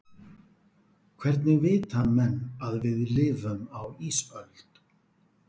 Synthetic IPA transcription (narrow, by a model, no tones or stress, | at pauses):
kʰvɛɾt̪nɪɣvɪːt̪amɛnːaðvɪðlɪːvʏmawisœlt̪